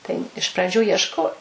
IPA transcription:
tɐɪ ɪʃ prɐˈd͡ʒʲuː iɛʃˈkoː

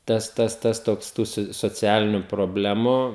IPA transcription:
ˈtɐs ˈtɐs ˈtɐs ˈtoːks ˈtuː sʊ soːˈt͡sʲæːlʲɪnʲʊ proːˈbʲlʲæːmʊ

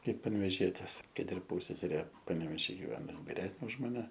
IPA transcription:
ˈkɐɪp pɐnʲʋʲɛˈʒʲiɛtʲeːs ˈkɐt ɪr ˈpuːsʲsʲɛsʲɛrʲeː pɐnʲɛʋʲɛˈʒʲiː ɡʲɪˈʋʲæːnoː ˈɪn ʋʲɪˈrʲæːsʲnʲeː ʊʃ mɐˈnʲɛ

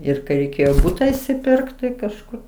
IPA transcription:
ɪr kɐɪ rʲɛɪˈkʲeːjoː ˈbuːtɐ ɪʃʲsʲɪˈpʲɪrkt tɐɪ kɐʃˈkʊr

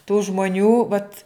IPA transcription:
tuː ʒmoːˈnʲuː ʋɐt

